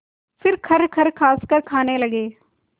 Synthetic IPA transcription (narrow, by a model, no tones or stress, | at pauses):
fʰɪɾkʰɐɾkʰɐɾkʰaːskəɾkʰaːnelɐɡeː